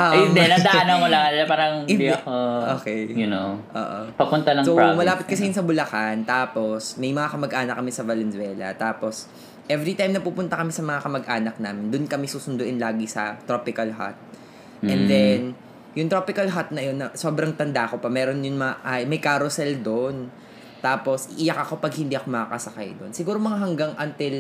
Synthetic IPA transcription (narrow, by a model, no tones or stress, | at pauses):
ʔaʔɪmɛnɐd̪aʔanɐmolɐlɐpaːɾɐŋɪndɐkoʔoːkɛjʊnoʔo̰ːʔo̰pɐpʊnt̪anɐŋsowmɐlaːpɪt̪kɐsɛjʊnsɐbʊlɐkant̪aːpo̞smɐjmɐŋakɐmɐɡʔaːnɐk̚kɐmɪsɐvɐlɛnswɛːlɐ̰t̪aːpo̞s | ʔɛvɾit̪ajmnɐpuːpʊnt̪ɐkɐmɪsɐmɐŋakɐmɐɡʔaːnɐk̚naːmɪnd̪ʊnkɐmɛsuːsʊnd̪ʊʔɪnlaːɡisɐ̰t̪ɾopɪkɐlɦa̰t̪̚ | ʔɛnd̪ɛn | jʊŋt̪ɾoːpɪkɐlɦat̪̚nɐjo̞nːɐso̞ːbɾɐŋt̪ɐnd̪aʔko̞pɐmɛːɾo̞njʊŋmɐŋaʔɐmɐjkaɾosɛld̪on | t̪ːaːpo̞sʔɪʔɪjak̚ɐko̞pɐɡhɪnd̪iːʔɐko̞mɐakɐsɐka̰jd̪o̞nsɪɡuːɾo̞mɐŋaɦɐŋɡaŋʔɐnt̪ɪl